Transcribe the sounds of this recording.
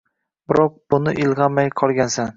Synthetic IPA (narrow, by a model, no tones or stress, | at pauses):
bɪɾɒq̚b̥ʊnɪʔɪlˠʁɑmajqʰɒlˠɡʲansan